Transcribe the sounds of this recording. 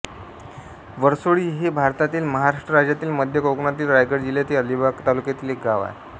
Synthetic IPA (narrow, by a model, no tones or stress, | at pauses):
ʋəɾsoɭiːɦebʱaɾt̪at̪iːlməɦaɾaʂʈɾəɾad͡ʑjat̪iːlməd̪ʱjəkoknat̪iːlɾajɡəɾd͡ʑiljat̪iːəlibakt̪alukjat̪iːlek̚ɡaʋa̰e